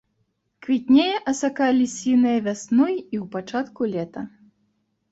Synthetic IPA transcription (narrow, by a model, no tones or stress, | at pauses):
kvʲit̪ʲnʲejɛʔɐsakalʲisʲinɨjɐvʲasnɔjiwpat͡ʂat̪kulʲɛt̪ɐ